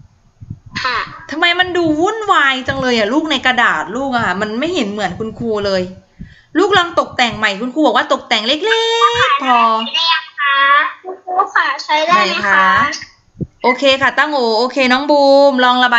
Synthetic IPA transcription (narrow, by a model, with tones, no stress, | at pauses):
kʰa˧˥˩t̪ʰa˧mːa˧jma˧nduː˧wu˥˩˨nwaː˧jt͡ɕa˧ŋlɤː˧jʔa˨˩luː˥˩k̚na˧jka˧daː˨˩t̪̚luː˥˩k̚ʔa˨˩kʰa˥˩ma˧nma˥˩jhe˩˦nmɯ˩˦ənkʰu˧nkʰuː˧lɤː˧j | luː˥˩k̚lɔː˧ŋt̪o˨˩k̚t̪ɛː˨˩ŋma˨˩jkʰu˧nkʰuː˧bɔ˨˩kwaː˥˩t̪o˨˩k̚t̪ɛː˨˩ŋle˦˥k̚le˦˥k̚pʰɔː˧˥˧kʰa˦˥ku˧kʰuː˧kʰa˧˩t͡ɕʰa˦˥˩jdaːa˦˧˥jkʰa˦˥˦ | ʔoː˧kʰeː˧kʰa˥˩t̪a˥˩ŋʔoː˨˩ʔoː˧kʰeː˧nɔː˦˥ŋbuː˧mlɔː˧ŋla˧baː˨˧